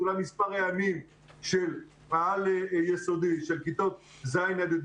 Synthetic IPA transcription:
ulamispaʁajamim | ʃel | maalejesod̪iʃelkit̪ot̪̚ | zajnad̪id̪

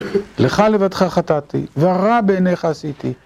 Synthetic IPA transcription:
leχalevat̪χaχat̪at̪ḭveaʁabeːneχaːsit̪i

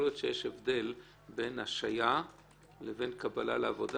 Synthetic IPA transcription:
ljotʃejeʃevd̪e̞l | be̞naʃaja | leve̞nkabala̰leavo̞d̪

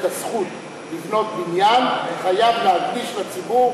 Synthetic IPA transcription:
tasχut̪ | livno̞t̪̚binjanveχajavleadɡiʃlat͡sibuʁ

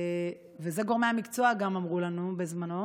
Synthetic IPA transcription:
vezeɡo̞ʁmeamikt͡so̞aɡamamʁulanube̞zmano̞

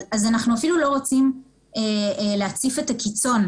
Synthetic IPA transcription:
azanaχnuafilulo̞ʁot͡sim | eleat͡sife̞takit͡so̞n

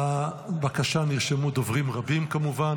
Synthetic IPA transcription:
abakaʃaniʁʃemud̪ovʁimʁabimkamuvan

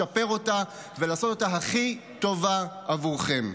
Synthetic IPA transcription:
ape̞ʁo̞ta | velaːso̞t̪ot̪aɦaχi | t̪o̞va | avuʁχe̞m

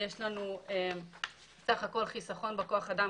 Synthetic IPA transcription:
jeʃlanuem | saχako̞lχisaχo̞nbeko̞aχad̪a

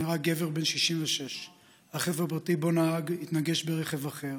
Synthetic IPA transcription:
iʁaɡe̞ve̞ʁbe̞nʃiʃimveʃe̞ʃ | haχevʁapʁatibo̞naaɡit̪naɡe̞ʃbeʁe̞χe̞vaχe̞ʁ

